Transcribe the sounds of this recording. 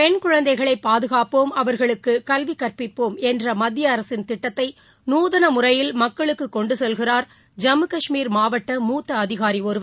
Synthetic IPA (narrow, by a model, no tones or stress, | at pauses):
pɛnkʊɻɐnd̪ɐɪɣɐɭɐɪpːaːðɯɣaːpoːmɐʋɐɾɣɐɭɯkːɯkɐlʋikːɐrpɪpːoːmɛndrɐmɐd̪ɪjɐːɾɐsɪnt̪ɪʈːɐt̪ːɐɪ | nuːðɐnɐmʊrɐjɪlmɐkːɐɭɯkːɯkːɔɳɖɯsɛlɣɪraːɾ | d͡ʒɐmɯkɐʂmiːɾmaːʋɐʈːɐmuːt̪ːɐːðɪɣaːɾioːɾɯʋɐ